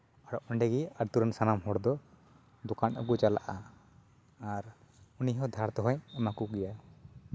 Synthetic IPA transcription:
aɽɔʔɔɳɖɛɡiaɾt̪uɾɛnsanamɦɔɽd̪ɔ | d̪ɔkanɔkut͡ʃala̰ʔa | aɾ | uniɦɔd̪ʱaɾt̪ɔɦɔ̃jamakuɡɛja

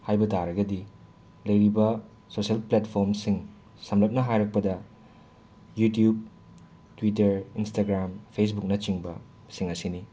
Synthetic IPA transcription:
hajbɐtaɾɐɡɐdi | lɐjɾibɐ | sosɐlpletpʰoɾmsiŋ | sɐmlɐp̚nɐɦajɾɐk̚pɐdɐ | jutjub̚ | twitɐɾinstaɡɾampʰes̬buk̚nɐt͡ʃiŋbɐ̰ | siŋɐsini

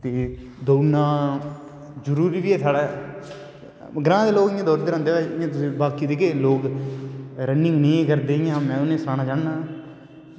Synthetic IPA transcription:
t̪eː | d̪oːnãː | zəɾuːɾiːʋiːɛːsʰaːɽaː | ɡɾãːd̪eːloːkɪjãːd̪ɔːɾd̪eːɾãːnd̪eːʋɛɪjãːt̪ʊsĩːbaːkiːd̪eːkeːloːk | ɾənːɪ̃ŋɡnĩːkəɾd̪eːɪjãːmɛ̃ːʊnẽːsɾaːnaːd͡ʒãːnnãː

